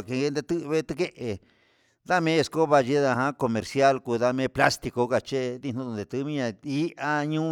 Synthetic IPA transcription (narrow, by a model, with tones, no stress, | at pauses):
ke˧ɡe˧nd̪e˧t̪ɨ˦˧βe˦t̪ɨ˧ke˦ʔe˨ | ða˦mẽ˦e˧sko˦βa˧ʒi˧˦ða˧ɦã˦ko˧mẽ˨ɾsja˦lku˧˨ða˧mẽ˧˦pla˦st̪i˧ko˧ka˧t͡ʃe˦˧ði˧nũ˦˧nd̪e˨˧t̪ɨ˧˦mĩ˦ɲã˧i˦ʔa˦ɲũ˦